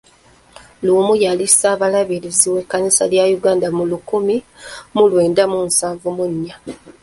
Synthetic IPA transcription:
lumujalisaːβalaβiɾiziwekːanisaljajuɡaːndamulukumi | mulwe̞ːndamuːnsaːɱvumuɲːa

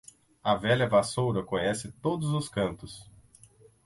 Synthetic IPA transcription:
ɐvɛʎɐvasowɾɐkõɲɛsɪt̪od̪ʊzʊskɐ̃nt̪ʊs

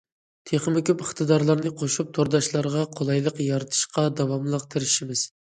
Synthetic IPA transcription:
t̪ʰeχmɪkʲypəχt̪ʰɨd̪ɑɾlˠɑɾnɨqʰoʃup̚t̪ʰoɾd̪ɑʃlˠɑɾʁɑqʰolˠɑjlˠəqjɑɾɨt̪ʰɨ̥ʃqɑd̪ɑwɑmlˠəq̚t̪ʰɪɾɪʃimɪz̥

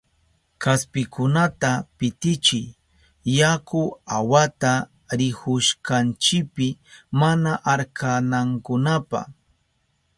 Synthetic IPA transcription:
kaspɪkʊnat̪apɪt̪ɪt͡ʃɪj | jakʊawat̪a | ɾɪhʊʃkant͡ʃɪk̚pɪmanaʔaɾkʰanaŋkʊnapa̰

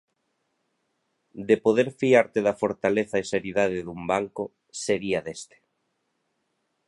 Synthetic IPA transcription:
d̪epoðeɾfiaɾt̪eðɐfoɾt̪aleθaeseɾiðaðeðumbaŋko | seɾiaðest̪e̥

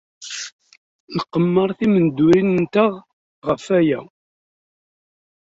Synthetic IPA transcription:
ləqːəmːəɾˤθimənd̪uɾinənt̪əʁ | ʁəfæjæ

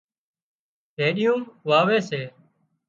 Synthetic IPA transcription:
ɦeːɗɪjũːʋaːʋeːseː

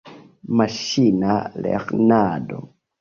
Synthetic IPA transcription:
maʃinalɛ̰xnadɔ̰

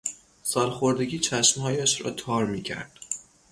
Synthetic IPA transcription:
sɒːlxoɾd̪e̞ɡʲiːt͡ʃʰæʃmhɒːjæʃɾɒ̰ːt̪ʰɒːɾmiːcʰæ̰ɾd̪̥

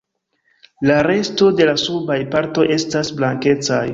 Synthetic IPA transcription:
laɾe̞sto̞de̞lasubajpaɾto̞jʔe̞stasblaŋke̞t͡sa̰j

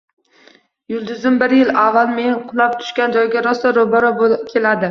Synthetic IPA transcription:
jʊlˠd̪ʊzɪmbɪɾjɪlavːalˠme̞nqʰʊlˠap̚t̪ʰʊ̥ʃkʲand͡ʒɒjɡʲaɾɒst̪aɾobɒɾɒbokʲʰe̞lad̪ɪ

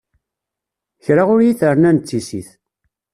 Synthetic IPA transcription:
çɾaʁʊɾjiθəɾnænt͡sːisḭθ

